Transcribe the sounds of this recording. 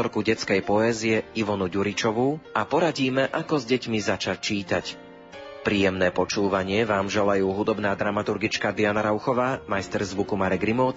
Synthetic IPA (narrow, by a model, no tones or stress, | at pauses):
ɔɾkuɟɛt͡skɛjpɔɛːziɛiʋɔnuɟuɾit͡ʃɔʋuapɔɾaɟiːmɛʔakɔzɟɛcmizat͡ʃac̚t͡ʃiːt̪ac | pɾiːjɛmnɛːpɔt͡ʃuːʋaɲɪɛʋaːmʒɛlajuːɦud̪ɔbnaːd̪ɾamat̪uɾɡit͡ʃkad̪ianaɾaʊxɔʋaːmajst̪ɛɾzʋukumaɾɛɡɾimɔʊt̪